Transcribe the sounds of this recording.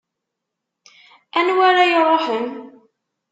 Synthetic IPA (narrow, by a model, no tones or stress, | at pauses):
ænwaɾajəɾˤoħən